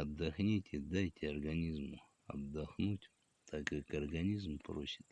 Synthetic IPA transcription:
ɐbd̪ɐxnʲitʲɪd̪ajtʲɐrɡɐnʲizmʊ | ɐ̰bd̪axnutʲ | t̪ʰakːakɐrɡɐnʲizmproɕɪt̪

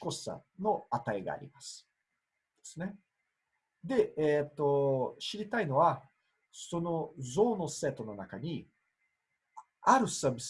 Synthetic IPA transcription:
ko̞ssa̰no̞at̪aiɡa̰ːɾʲḭmasɨ̥ | d̪̥e̞̥sɨne̞ | d̪e̞eːt̪ːo̞ɕiɾʲit̪aino̞βa | so̞no̞zo̞ːno̞se̞ːt̪o̞no̞nakaɲ̟i | aɾɯ̟saːbʲis

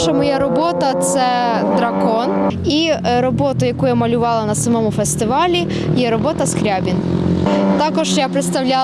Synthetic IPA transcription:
ʃɐmɔjaɾɔbɔt̪ɐt̪sɛd̪ɾɐkɔniɾɔbɔt̪ʊjɐkujamɐlʲʊʋɑlˠɐnɐsɐmɔmʊfest̪ɪʋɑlʲi | jɛɾɔbɔt̪ɐskɾʲabʲin | t̪ɑkɔʒjapɾɪt̪st̪ɐwlʲa

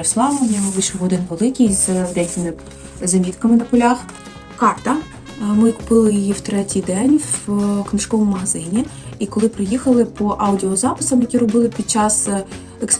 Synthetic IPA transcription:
eslˠɑʋnʲɔɦʋɪjʃɔʋɔd̪ɪnʋelˠɪkʲijzd̪ɛjkʲɪmɪ | zɐmʲit̪kɐmɪnɐpɔlʲax | kɑrt̪ɐ | mɪkʊ̥pɪlˠɪjɔjiwt̪ɾɛtʲijd̪ɛnʲwknɪʃkɔʋɔmmɐɦɐzɪnʲiikɔlˠɪpɾɪjixɐlˠɪpʰɔʔɑwdʲiɔzɑpɪ̥sɐmjɐkʲiɾɔbɪlˠɪpʲid̪̚t͡ʃɑs | eks

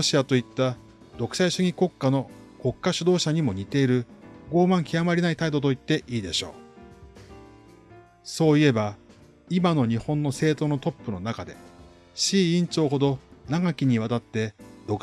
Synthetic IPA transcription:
oɕiat̪o̞it̪ːa | d̪o̞kɯ̟saiɕɨŋʲiko̞kːano̞ko̞kːaɕɨd̪o̞ːɕaɲ̟imo̞ɲ̟it̪e̞iɾɯ̟ɡo̞ːmãŋkʲiamaɾʲinait̪aid̪o̞t̪o̞it̪ːe̞ʔiːd̪e̞ɕo̞̰ː | so̞ːie̞ba | imano̞ɲ̟ihõ̞nːo̞se̞ːt̪o̞ːno̞t̪o̞pːɯ̟no̞nakad̪e̞̰ | ɕiːĩɲ̟t͡ɕo̞ːɦo̞d̪o̞naɡakʲiɲ̟iβat̪at̪ːe̞d̪o̞k

